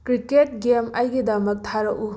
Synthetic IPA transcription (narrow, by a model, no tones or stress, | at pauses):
kɾiket̚ɡemajɡidɐmɐk̚tʰaɾɐk̚u